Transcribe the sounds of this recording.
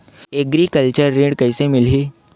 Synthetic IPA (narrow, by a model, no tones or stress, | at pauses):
eɡɾikəlt͡ɕəɾːĩɽkəjsemɪlɦiː